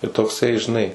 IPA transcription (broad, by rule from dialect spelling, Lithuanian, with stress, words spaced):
tɐɪ toːkˈsɐɪ ʒʲɪˈnɐɪ